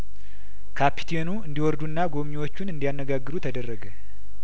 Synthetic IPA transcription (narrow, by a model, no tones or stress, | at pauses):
kʰapʰi̥t̪ʰenuɨnd̪iwɔɾd̪unːaɡo̞mɲiwo̞t͡ʃːunɨnd̪ijanːəɡaɡːɨɾut̪ʰəd̪ərːəɡə